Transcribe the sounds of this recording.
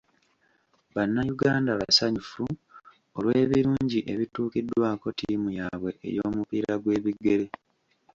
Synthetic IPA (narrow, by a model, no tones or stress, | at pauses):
βanːajuɡaːndaβasaɲufu | olwe̞ːβiɾuːɲɟiʔe̞βituːkidːwaːko̞tiːmujaβwe̞ʔḛjo̞ːmupiːɾaɡwe̞ːβiɡːe̞le̞